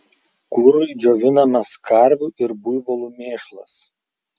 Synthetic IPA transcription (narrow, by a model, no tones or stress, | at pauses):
kʊɾʊɪd͡ʒʲoːʋʲɪnɐmɐskɐɾʲʋʲuʔɪɾbʊjʋɔlˠumʲeːʃlˠɐ̰s